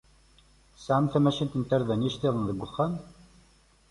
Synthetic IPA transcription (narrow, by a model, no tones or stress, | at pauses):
saʕamθæmæʃint̪ənt̪əɾðænjiʃt̪eðˤənðəɡʷːʊχːæn